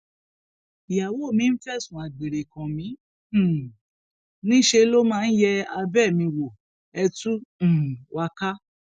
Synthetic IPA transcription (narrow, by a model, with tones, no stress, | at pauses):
i˨ja˨wo˦˨mĩ˧˦n̩˦fɛ˦˨sũ˨a˨ɡ͡be˨ɾe˨kã˨mĩ˨˦˨ | nĩ˦ʃe˧˦lo˦mãː˦˧˦n̩˦jɛ˧a˧bɛ˦˨mĩ˧wo˨ | ɛ˧tũ˦˨wa˧ka˦